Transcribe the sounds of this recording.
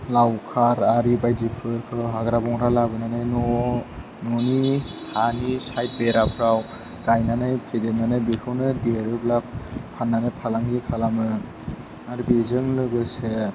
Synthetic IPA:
lawkʰaɾaɾibajdipʰɯɾkʰɯɦaɡɾabɔŋɾalabɯnanajnɔ | nɔnihanisajt̚beɾapʰɾaw | ɾajnanajpʰedenanajbekʰɯwnɯdeɾɯblappʰanːanajpʰalaŋɡipʰalamɯ | aɾibezɯŋlɯɡɯse

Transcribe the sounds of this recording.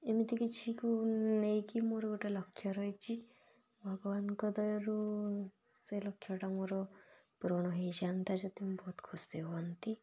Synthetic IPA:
emit̪ikit͡ʃʰikunejkimoɾɔɡoʈalɔkʰːjɔɾɔjt͡ʃʰi | bʱɔɡɔʋankɔd̪ɔjɔɾu | selɔkʰːjɔʈamoɾɔpuɾɔɽ̃ɔɦijd͡ʒant̪ad͡ʒɔt̪imbɔɦut̪kʰusd̪ebɔant̪i

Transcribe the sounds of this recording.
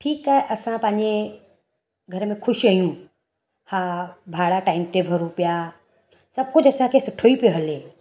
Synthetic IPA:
ʈʰiːkaːɦɛeʔɐsãpɐ̃ɦɪ̃ɲd͡ʑe | ɡʱɐɾəmẽkʰʊʃiɐjũ | habʱaːɽaʈaːɪmt̪ebʱɐɾopija | sɐb̚kʊd͡ʑʱɐsãkʰesʊʈʰoipijoɦɐleː

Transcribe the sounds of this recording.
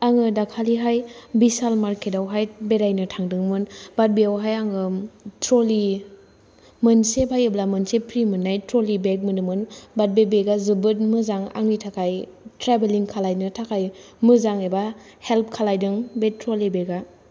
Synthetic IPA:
aŋɯdakʰaliɦajbisalmaɾkʰetawɦajbeɾajnɯtʰaŋdɯŋmɯnbat̚beawɦajaŋɯtɾoli | mɯnsebʰʱajɯblamɯnsepʰɾimɯnːajtɾolibek̚mɯnɯmɯnbat̚bebeɡazɯbɯt̬̚mɯzaŋa̰ŋnitʰakʰajtɾebeliŋkʰalajnɯtʰakʰaj | mɯzaŋeba | help̚kʰalajdɯŋbetɾolibeɡa

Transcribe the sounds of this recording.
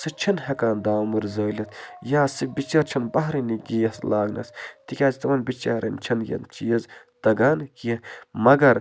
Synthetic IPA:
sɨt͡ʃʰinɦɐkaːnd̪aːmuɾzɐːlʲɐt̪ʰjaːsɨfbit͡ʃɐɾt͡ʃʰɐnbɐɦɾiniɡijɐslaːɡnɐ̰st̪ikʲaːzt̪ɐʋɐnbit͡ʃaːɾʔɐ̰nt͡ʃʰɐnjɐ̰nt͡ʃiːɐz | t̪ɐɡaːnkimɐɡɐɾ

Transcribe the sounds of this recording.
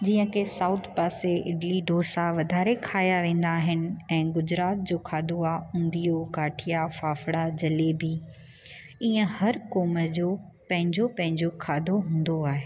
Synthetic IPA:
d͡ʑiːə̃kʰesaːʊt̪ʰpaːseʔɪɖliɖoːsaʋɐd̪ʱaːɾekʰaːjaʋẽːn̆d̪aːɦɪnɪ̆ɛ̃ːɡʊd͡ʑɾaːt̪̚d͡ʑoːkʰaːd̪ʱoaːʊ̃ːnd̪ijokaːʈʰijafaːfɽad͡ʑɐleːbi | iːə̃hɐɾkoːməd͡ʑoː | pɐ̃ɦɪ̃ɲd͡ʑopɐ̃ɦɪ̃ɲd͡ʑokʰaːd̪ʱoɦũːn̆d̪oaːɦeː

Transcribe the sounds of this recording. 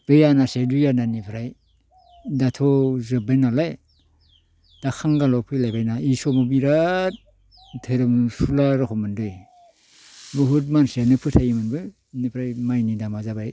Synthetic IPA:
b̥ejanasedujananipʰɾaj | datʰɔzɯbajnalaj | d̥akʰaŋɡalɔpʰɯjlajbajnaisɔmɔbiɾa | tʰɯɾɯmsulaɾɔkʰɔmɯndɯj | bɯɦut̚mansenɯpʰɯtʰajimɯnbɯ | nipʰɾajmajnidamazabaj

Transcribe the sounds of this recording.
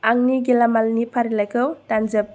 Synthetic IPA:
aŋniɡilamalnipʰaɾilajkʰɯwtanzɐp̚

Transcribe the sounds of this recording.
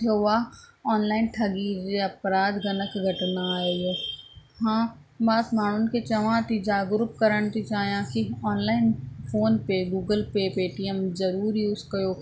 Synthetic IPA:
t̪ʰoaɔːnlaːɪnʈʰɐɡiːɾd͡ʑeɐpɾaːd̪ɡɐnəkɡʱɐʈnaːeoɦãː | baːt̪maːɳ̤ʊnɪ̆ket͡ɕɐʋãːt̪id͡ʒaːɡɾupkɐɾəɽ̃t̪ʰit͡ʃaːɦijãkiɔːnlaːɪnfoːnpeɡuːɡəlpepeːʈiəmzɐɾuːɾjuːzkɐjoː

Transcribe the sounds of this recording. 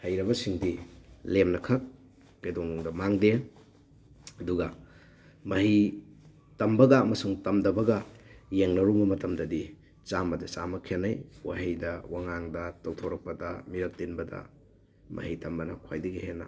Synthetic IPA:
hɐjɾɐbɐsiŋdilemnɐkʰɐk̚ː | ɐjdɔŋŋdɐmaŋde | ɐduɡɐ | mɐɦi | tɐmbɐɡɐːmɐsuŋtɐmdɐbɐɡɐjeŋnɐɾumbɐmɐtɐmdɐdi | t͡ʃambɐdɐt͡ʃamɐkʰenɐjwa̰ɦijdɐwaŋaŋdɐtowtʰowɾɐk̚pɐdɐmiɾɐk̚tinbɐdɐ̰ | mʔɐ̰hitɐmbɐnɐkʰwajdɐɡihenːɐ̰

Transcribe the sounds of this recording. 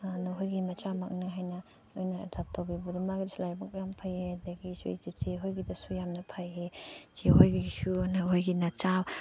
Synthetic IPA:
nɐɦojɡimɐt͡ʃamak̚nɯɦajnɐ | ojnɐtap̚tʰawbibudimaɡɾislajbakjampʰajedɐɡisṵḭd͡ʒit͡ʃeɦojɡidɐsujamnɐpʰajet͡ʃeɦojɡisunaɦojɡinɐt͡ʃaw

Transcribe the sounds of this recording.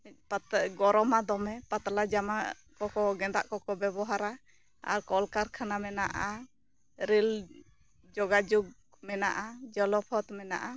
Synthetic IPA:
pat̪ɡɔɾɔmad̪ɔmɛpat̪alad͡ʒama | kɔkɔɡɛd̪a̰ʔkɔkɔbɛbɔɦaɾa | a̰ɾkɔlkaɾkʰanamɛna̰ʔa | ɾil | d͡ʒɔɡad͡ʒuɡ̚ | mɛna̰ʔad͡ʒɔlɔpʰɔt̪mɛna̰ʔa

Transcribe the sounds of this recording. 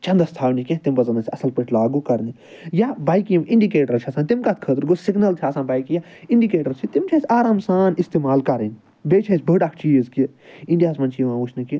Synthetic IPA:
t͡ʃɐ̃nd̪ɐst̪ʰaːwnikʲẽt̪imbɐzɐnɐsʰʲiɐsɐlpəʈʰlaːɡuːkɐɾni | jabaːjkimʔɪ̃ɳɖikeːʈəɾt͡ʃʰiɐsãnt̪imkat̪̚ʰkʰət̪ɾɡosɪɡnɐlt̪ʰaːsãnbaːjkijaɪ̃ɳɖikeːʈəɾt͡ʃʰit̪imt͡ʃʰasʲaːɾaːmsaːnɪst̪eːmaːlkɐɾen | beːt͡ʃʰɐsʲbəɖakʰt͡ʃiːzki | iɳɖijaːsmɐ̃nt͡ʃʰiʋãːʋut͡ʃʰnɐki

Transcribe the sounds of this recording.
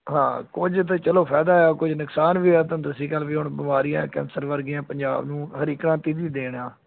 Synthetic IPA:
ɦãːkʊd͡ʒt̪ːt͡ʃəloːpʰɛːd̪aːkʊd͡ʒnʊksaːnʋiːɛːt̪ãːd̪ʊsiːkəlʋiːɦʊɳbɪmaːɾijã̰ːkɛ̰̃ːnsəɾʋəɾɡɪjãːpəɲd͡ʒa̰ːbnũːhəɾiːkɾãːt̪iːd̪iːd̪eːɳãː

